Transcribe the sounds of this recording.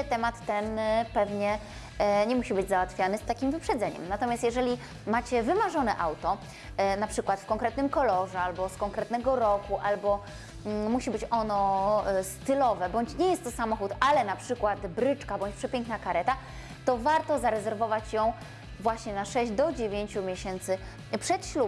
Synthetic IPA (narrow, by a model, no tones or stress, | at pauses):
t̪ɛmat̪ːɛnpɛvɲɛ | ɲɛmuɕibɘd͡ʑzawat̪fʲjanɘst̪akʲimvɘpʂɛd̪zɛɲɛ̰mnat̪ɔmʲjast̪jɛʐɛlʲi | mat͡ɕɛvɘmaʐɔnɛʔawt̪ɔ | napʂɘkwat̪fkɔŋkɾɛt̪nɘmkɔlɔʐɛalbɔskɔŋkɾɛt̪nɛɡɔɾɔkuʔalbɔ | muɕibɘt͡ɕɔnɔst̪ɘlɔvɛbɔɲt͡ɕɲɛjɛst̪ːɔsamɔxut̪alɛnapʂɘkwat̪bɾɘt͡ʂkabɔɲt͡ɕpʂɛpʲɛŋknakaɾɛt̪a | t̪ɔvaɾt̪ɔzaɾɛzɛɾvɔvat͡ɕjɔ̃w̃ | vwaɕɲɛnaʂɛʑd͡ʑd̪ɔd͡ʑevʲjeɲt͡ɕumʲjeɕɛnt̪sɘ | pʂɛt̪ɕlu